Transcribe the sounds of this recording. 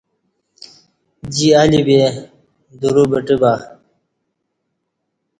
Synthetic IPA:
d͡ʑialibe | d̪uɾubəʈibaː

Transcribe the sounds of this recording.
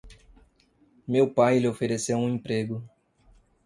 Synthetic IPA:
mewpajlɪofeɾesewũẽpɾeɡʊ

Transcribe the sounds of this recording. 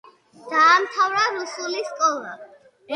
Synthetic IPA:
d̪̥aːmt̪ʰavɾaɾusuliskʼɔlˠa

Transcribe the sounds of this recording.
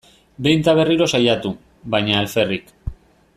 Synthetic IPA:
be̞jnt̪aβ̞e̞riɾo̞sajat̪u | βajɲaːlfe̞rik

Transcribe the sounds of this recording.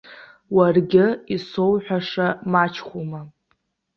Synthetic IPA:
warɡʲɪiso̞wħʷᶣaʂamat͡ʃʰχʷuma

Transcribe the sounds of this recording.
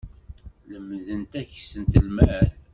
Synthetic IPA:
ləmðənt̪æçsənt̪əlmæl

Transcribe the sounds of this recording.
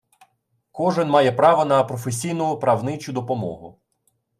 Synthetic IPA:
kɔʒɪnmɑjɛpɾɑʋɐnɐpɾɔfes̬ʲijnɔɦʊpɾɐwnɪt͡ʃʊd̪ɔpɔmɔ̰ɦʊ

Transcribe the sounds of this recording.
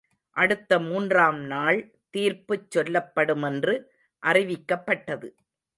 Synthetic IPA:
ʔɐɽɯt̪ːɐmuːndraːmnaːɭ | t̪iːɾpɯt͡ʃːɔlːɐpːɐɽɯmɛndrɯ | ʔɐrɪʋɪkːɐpːɐʈːɐðɯ

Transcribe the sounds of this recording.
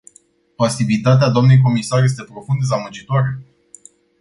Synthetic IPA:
pasivit̪at̪̬ead̪oamne̞jk̬o̞misarje̞s̬t̪e̞pɾo̞fund̪d̪ezamɨd͡ʒit̪oaɾe

